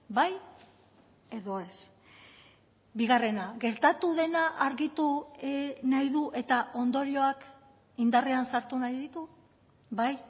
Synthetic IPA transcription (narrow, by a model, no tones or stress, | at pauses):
baj | e̞ðo̞e̞s | biɣare̞naɣe̞ɾt̪at̪uðe̞naʔaɾɣit̪u | najðuʔe̞t̪aʔo̞nd̪o̞ɾio̞ak | ind̪areansaɾt̪unajðit̪u | βaj